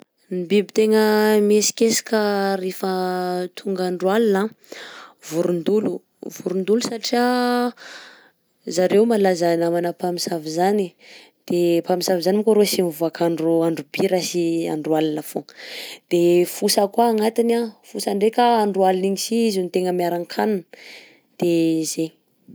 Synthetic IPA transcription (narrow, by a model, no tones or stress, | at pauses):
nibibit̪eŋəmesi̥kesḁkəɾefət̪ʰuŋɡaɳɖ͡ʐualina | vuɾund̪ulu | vuɾund̪ulusaʈ͡ʂia | zaɾewmalazanamanəpamisavizani | d̪̥epamisavizanimkoɾosimivuakʰaɳɖ͡ʐuaɳɖ͡ʐub̥iɾasia̰ɳɖ͡ʐualinafod̪̥efusəkwaːŋat̪inafusaɳɖ͡ʐekaːɳɖ͡ʐualiniɲisiizunit̪eŋəmiaɾaŋkʰanun | d̪̥eze